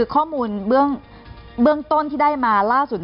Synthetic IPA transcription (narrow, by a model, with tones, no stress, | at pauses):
kʰɔː˥˩muː˧nbɯ˥˩əŋ | bɯ˥˩əŋt̪o˥˩nt̪ʰiː˥˩daː˥˩jmaː˧laː˥˩su˨˩t̪̚